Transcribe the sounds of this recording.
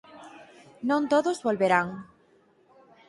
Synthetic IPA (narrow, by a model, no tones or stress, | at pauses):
nõnt̪oðozβolβeɾaŋ